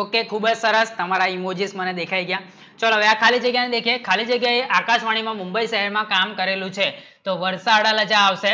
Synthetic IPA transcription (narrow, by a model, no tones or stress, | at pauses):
okekʰubd͡ʒsəɾəst̪əmaɾaimod͡ʒisməned̪ekʰaiɡəja | t͡ʃəloɦəʋeakʰalid͡ʒəɡjajned̪ekʰijekʰalid͡ʒəɡjaeʔakaʃʋaɽ̃imãmũmbəiʃəɦɛɾmãkamkəɾelũt͡ʃʰe | t̪oʋəɾsaəɽaləd͡ʒaːʋʃe